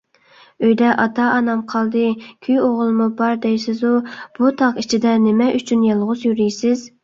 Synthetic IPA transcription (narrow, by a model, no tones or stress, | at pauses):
øjd̪ɛʔɑt̪ʰɑʔɑnɑmqʰɑlˠd̪ɨkʲʰyjoʁʊlˠmubɑɾd̪ɛjsɪzub̥ut̪ʰɑqit͡ʃʰid̪ɛnɪmɛʔyt͡ʃʰynjɑlˠʁʊzjyɾijsɪz